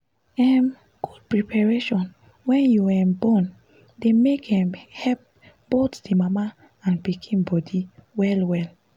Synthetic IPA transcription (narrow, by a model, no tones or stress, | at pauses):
ɛm | ɡ̥ud̚pɹipʰaɹeʃɔ̃n | wɛ̃njuwɛbɔ̃n | demekhɛ̃mhɛlp̚ | b̥otdimama | ãnpikʰĩnbɔdiwɛlwɛl